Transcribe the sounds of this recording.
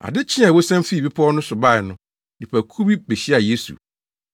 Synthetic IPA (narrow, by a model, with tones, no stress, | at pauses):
a̰˨dɪ˦t͡ɕʰɪ̃˦a˨wo˦sã˦mfi˦˨bi˦pʰɔ˦nʊ̃˦sʊ˨ba˦˨ɪ˨nʊ̃˦ | di˨pʰæ˨kʰu˦bi˦be˨ɕi˦a˨je˦sṵ˨